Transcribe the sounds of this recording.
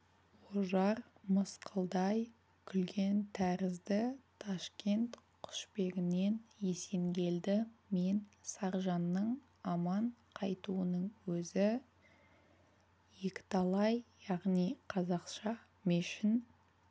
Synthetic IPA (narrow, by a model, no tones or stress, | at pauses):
oʒɑɾməsqʰəlˠd̪ɑj | kʲʰʏlɡʲe̞nt̪ʰæɾɪzd̪ɪt̪ʰɑʃkʲe̞nt̪qʰʊ̥ʃpe̞ɡʲɪne̞nje̞se̞ŋɡʲe̞ld̪ɪme̞nsɑɾʒɑnːəɴ | ɑmɑɴqʰɑjt̪uənəɴwɵzɪ | je̞kʲɪ̥t̪ʰɑlˠɑjjɑʁnijqʰɑzɑqʃɑ | meʃɪn